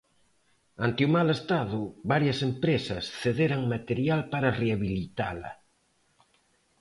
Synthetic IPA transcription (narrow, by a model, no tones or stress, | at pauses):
ant̪eumalest̪aðʊβaɾjɐsempɾesɐsθeðeɾaŋmat̪eɾjalpaɾɐreaβilit̪a̰lɐ̰